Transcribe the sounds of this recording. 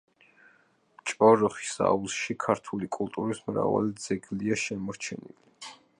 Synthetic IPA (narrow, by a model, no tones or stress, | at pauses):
t͡ʃʼɔɾɔχi̥sa̰ulˠʃikʰaɾt̪ʰulikʼulˠt̪ʼuɾismɾa̰va̰lid̪z̥ɛɡliaʃɛmɔɾt͡ʃʰɛ̰nḭli